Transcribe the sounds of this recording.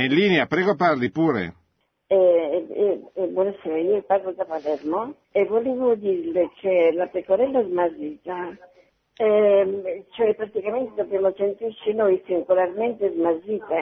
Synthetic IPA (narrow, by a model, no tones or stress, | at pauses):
inliːneapɾɛːɡoparlipuːɾḛ | ɛ | bwɔnaseːɾaiːoparlod̪apalɛrmo | evoleːvod̪irlekʰelapekoɾɛlːaɛzmaziːt̪a | ɛ | t͡ʃoɛpːɾat̪ikament̪ed̪objamosent̪irt͡ʃinojsiŋɡolarment̪ezmaziːt̪e